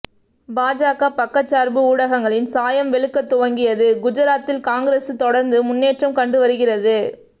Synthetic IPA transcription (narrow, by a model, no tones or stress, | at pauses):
baːd͡ʒaːɣapɐkːɐt͡ʃːaːɾbɯuːɽɐɣɐŋɡɐɭɪnsaːjɐmʋɛɭɯkːɐt̪ːʊʋɐŋɡɪjɐðɯɡʊd͡ʒɐɾaːt̪ːɪlkaːŋɡɪɾeːsɯt̪ɔɽɐɾnd̪ɯmʊnːeːʈrɐmkɐɳɖɯʋɐɾɯɣɪrɐðɯ